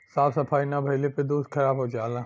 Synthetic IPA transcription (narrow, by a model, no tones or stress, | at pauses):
saːfsɐpʰaːinabʱɐɪleped̪uːsd̪kʰɐɾaːbɦod͡ʒaːlãː